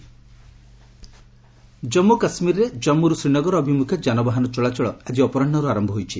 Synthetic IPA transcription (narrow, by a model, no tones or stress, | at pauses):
d͡ʒɔmːukasmiɾɾed͡ʒɔmːuɾusɾinɔɡɔɾɔɔbʱimukʰjɔd͡ʒanɔbaɦanɔt͡ʃɔɭat͡ʃɔɭɔad͡ʒiɔpɔɾɔɳɖɔɾuaɾɔmbʱɔɦojt͡ʃʰi